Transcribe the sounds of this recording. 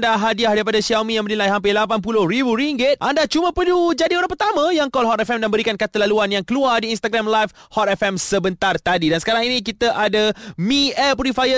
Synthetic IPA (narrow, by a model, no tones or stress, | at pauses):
daɦadiahdaɾipadasiamĩjaŋmənilajɦampɪlapanp̬ulohɾibuɾiŋɡɪt̪̚ʔandat͡ʃumãpəlud͡ʒadioɾaŋpərt̪amãjaŋkɔlɦɔt̪ɛfɛmdanbəɾikankat̪əlaluanjaŋkəluardiːnst̪aɡɾamlajfhɔt̪ɛfɛmsəbənt̪art̪adidansə̥kaɾaŋinik̬it̪aʔadamiɛpuɾifajə